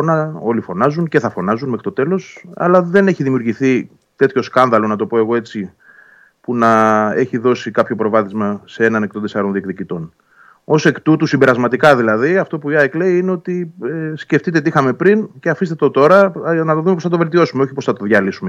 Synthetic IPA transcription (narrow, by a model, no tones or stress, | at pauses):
nɐo̞lifo̞nɐzunce̞θɐfo̞nɐzunmexɾi̥t̪o̞t̪e̞lo̞sɐ̰lɐðe̞ne̞çiðimiuɾʝiθi | t̪e̞t̪ço̞skɐnðɐlo̞nɐt̪o̞po̞e̞ɣo̞e̞t͡si | punɐe̞çiðo̞sikɐpço̞pɾo̞vɐθizmɐse̞e̞nɐne̞k̚t̪ont̪esɐɾo̞nðiekt̪icit̪o̞n | o̞se̞kt̪ut̪usimbeɾɐzmɐt̪ikɐðilɐðiɐft̪o̞puɐekle̞iineo̞t̪isce̞ft̪it̪et̪iixɐme̞pɾince̞ɐfist̪et̪ot̪o̞ɾɐnɐt̪oðumepoθɐt̪o̞ve̞lt̪io̞sumeo̞çipoθɐt̪o̞ðʝɐlisume